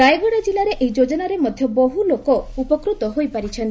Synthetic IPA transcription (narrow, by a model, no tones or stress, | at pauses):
ajɡɔɽ̃ad͡ʒilaɾeʔeid͡ʒod͡ʒɔnaɾemɔd̪ʱjɔbɔɦulokɔupɔkɾut̪ɔɦojpaɾit͡ʃʰɔnt̪